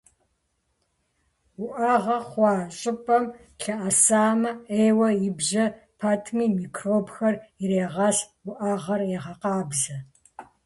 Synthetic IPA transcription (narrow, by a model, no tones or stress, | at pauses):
wʊʔɐʁɐχʷɑːɕʼɪpʼɐm | ɬɐʔɐsaːmɐeːwɐjɪbʑɐ | pʰatʰmiːmiːkʰroːbxɐriɾeːʁɐs | wʊʔaʁɐrjɛʁɐqɑːbzɐ